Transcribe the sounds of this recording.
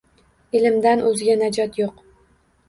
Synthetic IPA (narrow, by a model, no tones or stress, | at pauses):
ɪlɪmd̪anʔɵzɪɡʲanad͡ʒɒt̪joq